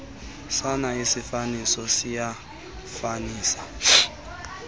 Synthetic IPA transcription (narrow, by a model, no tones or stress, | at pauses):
sanaisifanisɔsija | faniːsḁ